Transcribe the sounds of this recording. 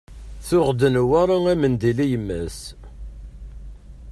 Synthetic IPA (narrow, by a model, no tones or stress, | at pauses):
θʊʁd̪ənwaɾˤaæmənd̪ilijəmːæs